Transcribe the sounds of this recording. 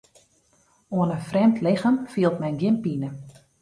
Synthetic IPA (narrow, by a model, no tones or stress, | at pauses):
oənəfrɛmtʰlɪxəmfiəlˠtmɛjnɡjɪnpinə